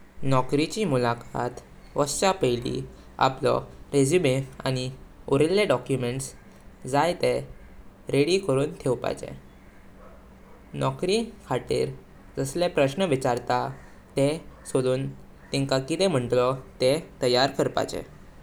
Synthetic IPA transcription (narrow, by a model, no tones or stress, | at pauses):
nɔkɾit͡ɕiːmulakat̪ | ʋəst͡ɕapəjlḭ | a̰plɔ̰ɾed͡ʑubea̰ñioɾelːeɖɔkjumeɳʈs | d͡zajt̪e | ɾeɽikəɾuːnt̪ʰeʋpa̰jt͡ɕḛ̃ | nɔkɾikʰaʈḭːɾ | d͡zəslepɾəɕnəʋit͡ɕaɾt̪a | t̪esoluːn | t̪iŋkakit̪ɛ̃m̤əɳʈlɔt̪et̪əjaɾkəɾpa̰t͡ɕɛ̰